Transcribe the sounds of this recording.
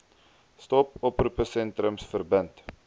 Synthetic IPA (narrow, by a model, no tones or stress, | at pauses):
stɔpɔprupəsɛntɾəmsfərbənt